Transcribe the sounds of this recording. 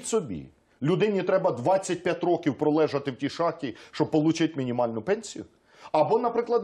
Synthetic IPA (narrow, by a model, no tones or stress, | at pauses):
tʲsɔbʲḭ | lʲʊd̪ɪnʲit̪ɾɛbɐd̪ʋɑt͡sʲːɐt̚ʲpʲjatʲɾɔkʲiwpɾɔlˠɛʒɐt̪ɪwtʲiʃɑxtʲiʃt͡ʃɔb̚pɔlˠut͡ʃɪtʲmʲinʲimɑlʲnʊpɛnʲsʲijʊ | ɐbɔnɐpɾɪklˠɐd̪